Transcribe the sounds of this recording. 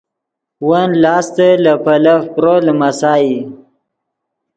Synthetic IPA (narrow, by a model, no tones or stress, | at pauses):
wanlɑːst̪əlapalafpɾolmasɑːji